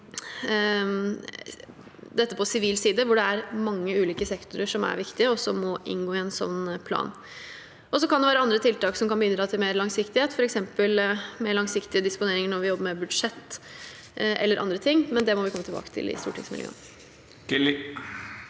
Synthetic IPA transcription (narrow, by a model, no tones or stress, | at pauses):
d̪ɛt̪ːəpʰɔsɪʋiːlsiːd̪əʋʊɖɛæɾmɑŋːəʉːliːkəsɛkt̪ʊɾəʂɔmæ̰ɾʋɪkt̪ɪəɔsɔmːɔʔɪ̰nɡoːɪɛnsɔ̰nːpʰlɑ̰ːn | ɔsɔkʰɑnd̪ɛʋæːɾəɑnd̪ɾət̪ʰɪlt̪ɑːksɔmkɑnbəʏnd̪ɾɑt̪ʰɪlmeːɾlɑŋsɪkt̪ɪheːt̪fɔɾɛksɛmpəlmeːɭɑŋsɪkt̪ɪəd̪ɪspʊneːɾɪŋəɳɔɾʋɪjɔbːəɾmɛbʉd̪ʂɛt̪ː | ʔɛ̰lːəɾɑ̰nd̪ɾət̪ʰɪŋːmɛnd̪ɛmɔʋɪkɔmːt̪ɪlbɑ̰ːkə̥t̪ʰɪ̰lɪ̰st̪ṵːʈʰɪ̰ŋsmɪ̰ljø̰ː